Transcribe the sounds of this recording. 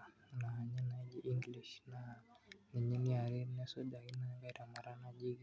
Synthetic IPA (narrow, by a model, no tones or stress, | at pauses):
naɲɛnaid͡ʒiʔiŋɡliʃnaniɲiniaɾiɾnɛsudainaɡaɾamaɾanaʄiɡa